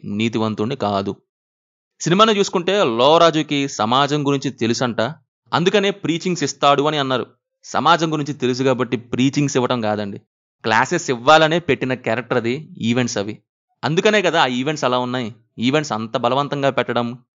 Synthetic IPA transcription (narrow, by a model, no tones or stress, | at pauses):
niːt̪iʋɐnt̪uɳɖikaːd̪u | sinimaːnit͡ʃuːsu̥kuɳʈe̞ːlɔːɾaːd͡ʒuːkisɐmaːd͡ʒɐmɡuɾiɲt͡ʃit̪e̞lusɐɳʈaː | ɐnd̪ukɐne̞ːpɾiːt͡ʃiŋɡsist̪aːɽuɐniɐnːaːɾṵ | sɐ̰maːd͡ʒɐmɡuɾiɲt͡ʃit̪e̞lus̬uɡaːbɐʈːipɾiːt͡ʃiŋɡsiʋːɐʈɐmɡaːd̪ɐɳɖi | klaːsesiʋːaːlɐneːpe̞ʈːinɐkɛːɾɐk̚ʈɐɾɐd̪iiːʋe̞ɳʈsɐʋi | ɐnd̪ukɐne̞ːkɐd̪aːaːiʋe̞ɳʈsɛlaːunːaːji | iːʋe̞ɳʈsɐnt̪ɐbɐlɐʋɐnt̪ɐŋɡaːpɛʈːɐɽɐm